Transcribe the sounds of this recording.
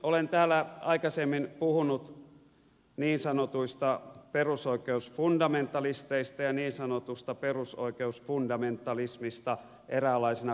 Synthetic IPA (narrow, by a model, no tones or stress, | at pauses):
olent̪æːlːˑæɑikɑsemːinpuhunut̪ | niːnsɑnot̪uist̪ɑperusoikˑeusfundɑment̪ɑlist̪eist̪ɑjɑniːnsɑnot̪ust̪ɑperuso̰ikeusfundɑment̪ːˑɑlismist̪ɑ | ʔeræːˑlˑɑisenɑ